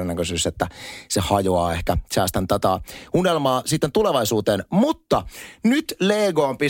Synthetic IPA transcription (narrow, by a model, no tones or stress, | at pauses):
nækøsyːset̪ːæsehɑjoɑːehkæsæːst̪ænt̪ɑt̪ɑːunelmɑːsit̪ːent̪uleʋɑisuːt̪eːnmut̪ːɑnyt̪leːɡoːmpi